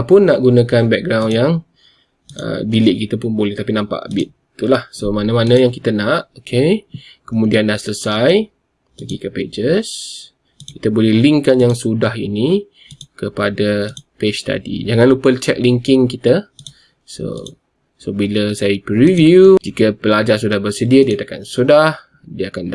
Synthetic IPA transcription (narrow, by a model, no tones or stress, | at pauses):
pʊnːaʔɡunakanbɛk̚ɡɾawnjaŋ | ʔə̰bilɪʔ̚kit̪əpʊnbolɛht̪apinãmpa̰ʔa̰bɪt̪̚ːt̪ːulahsomanəmanə̃jaŋkit̪ənaʔokʰekəmũdiandaʔsələsaj | pəɡikəped͡ʒəs | kit̪əbolɛhliŋkanjaŋsudaɦḭni | kəpadaped͡ʒst̪a̰dḭd͡ʒaŋanlupəlt͡ʃɛk̚liŋkɪŋkit̪ə | so̰ | sobiləsajəpɾivjud͡ʒikəpəlad͡ʒarsudahbərsədiədiat̪aka̰nsudah | diəakanda